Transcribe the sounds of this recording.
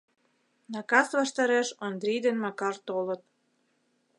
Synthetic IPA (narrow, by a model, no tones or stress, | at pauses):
nɑkɑsβɑʃt̪ɑɾeʃond̪ɾʲijd̪enmɑkɑrt̪olə̆t̪̚